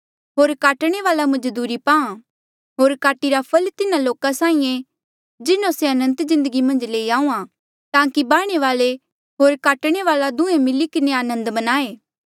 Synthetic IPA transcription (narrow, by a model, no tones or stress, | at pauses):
ɦoːɾkaːʈɽ̃eʋaːlamɐd͡ʒd̪uːɾipaːã | ɦoːɾkaːʈiɾapʰɐlt̪ɪnaloːkasaːĩẽ | d͡ʒɪnõseɐnə̃nt̪zɪ̃nd̪əɡimɐ̃nd͡ʒleːiaːũːã | t̪ãːkibaːɽ̃eʋaːle | ɦoːɾkaːʈɽ̃eʋaːlad̪ʊ̃ẽmɪlikɪneaːnə̃nd̪bɐnaːeː